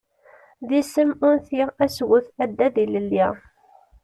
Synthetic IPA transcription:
ðisəmʊnθiʁæswʊθæd̪ːæðiləlːi

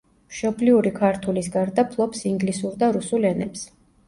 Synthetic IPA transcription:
mʃɔbliuɾikʰaɾt̪ʰulisɡaɾd̪apʰlˠɔpsiŋɡlisuɾd̪aɾusulɛnɛps

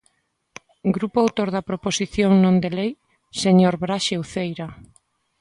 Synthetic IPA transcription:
ɡɾupoawt̪oɾðɐpɾoposiθjoŋnõnd̪elej | seɲoɾβɾaʃewθejɾa

